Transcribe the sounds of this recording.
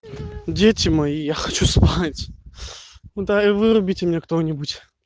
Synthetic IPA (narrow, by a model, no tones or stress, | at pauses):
dʲetʲɪmɐjijaxɐt͡ɕuspatʲ | d̪aɨvɨɾʊbʲitʲɪmnʲekt̪onʲɪbutʲ